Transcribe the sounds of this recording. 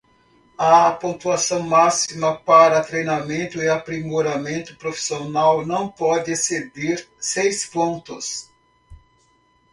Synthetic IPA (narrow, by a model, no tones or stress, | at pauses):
ɐpõnt̪uasɐ̃w̃masimɐpaɾɐt̪ɾejnamẽnt̪ʊɪapɾimoɾamẽnt̪ʊ̥pɾofi̥sionawnɐ̃w̃pɔd̪ɪsed̪iɾsejspõnt̪ʊs